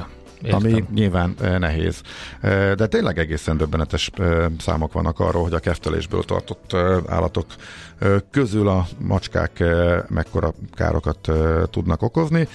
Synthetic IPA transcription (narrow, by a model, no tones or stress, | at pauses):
eɒmiɲilvaːnnɛɦḛːz̥ | d̪ɛt̪eːnlʔɛɡɛɡeːsɛnd̪øbːɛnɛt̪ɛʃøsa̰ːmo̞kʋɒ̰nːʔɒkɒ̰rːoːlɦo̞ɟɒkɛft̪ɛlḛːʒbø̰ːlt̪ɒ̰rt̪ot̪ːa̰ːlːʔɒt̪o̞kː | øzylɒmʔɒt͡ʃka̰ːkmʔɛkːo̞ɾɒka̰ːɾʔo̞kɒt̪ːt̪ːud̪nɒko̞ko̞zni